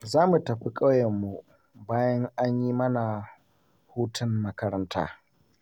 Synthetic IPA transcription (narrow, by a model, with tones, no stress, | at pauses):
zaː˦mu˨tɐ˨ɸi˦kʼa˦wjɐ˨mːu˦ | baː˦jɐ˦ŋʔa˦ɲjiː˦mɐ˦na˨ | huː˦tʰɐ˦nmɐ˦kɐ˦ɾɐ˦ntʰa̰ː˦